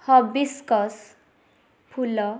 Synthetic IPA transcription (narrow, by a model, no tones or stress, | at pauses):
hʌbiskʌs | pʰulʌ